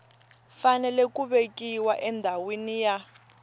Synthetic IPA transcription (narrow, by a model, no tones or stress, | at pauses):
fanɛlɛk̬ʼuɓekiwaʔɛndʱawinija